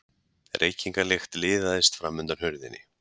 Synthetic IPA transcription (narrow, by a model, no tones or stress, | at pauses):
ɛ̰ɾʔejciŋkalext̪lɪːðaðɪst̪fɾamːʏnt̪aɾhœɾðɪ̰nːɪ̰